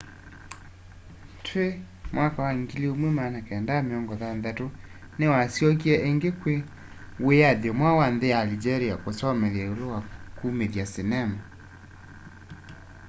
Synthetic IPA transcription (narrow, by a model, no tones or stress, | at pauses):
tʰwe | mwakawaŋɡiliomwemanakɛndameɔŋɡɔðandato | newasjɔk̬iɛʔeŋɡekwe | weaðjɔmwawanðealid͡ʒɛɾiakosɔmɛðjaolowakumeðjasenɛma